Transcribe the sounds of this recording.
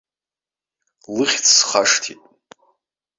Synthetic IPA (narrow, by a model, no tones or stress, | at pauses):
lɨχʲt͡sʰsχaʂtʰitʼ